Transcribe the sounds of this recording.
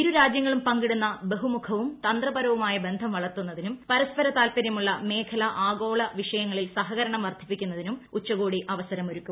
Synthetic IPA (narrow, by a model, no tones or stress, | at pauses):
iɾuɾaːd͡ʑjɐŋːɐɭumpɐŋɡiɽunːɐbeɦumukʰɐʋumt̪ɐnd̪rɐbɐɾɐʋumaːjɐbe̞nd̪ʱɐmʋɐɭɐrt̪unːɐðinumpɐɾɐspɐɾɐt̪aːlpɐɾjɐmuɭːɐme̞ːkʰɐlɐʔaːɡo̞ːɭɐʋiʂɐjɐŋːɐɭilsɐɦɐɣɐɾɐɳɐmʋɐrd̪ʱipːikʲːunːɐðinumut͡ɕːɐɣoːɽiʔɐʋɐsɐɾɐmoɾukʲːu